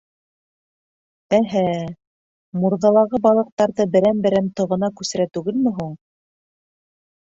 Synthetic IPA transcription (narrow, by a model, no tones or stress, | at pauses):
æɦæ | muɾðɑlˠɑʁɤbɑlˠɤ̆q̚t̪ɑɾðɤbɘ̆ɾænbɘ̆ɾæmt̪ɤ̆ʁɤ̆nɑkʉsɘ̆ɾæt̪ʉɡɘlmɘ̆ɦuɴ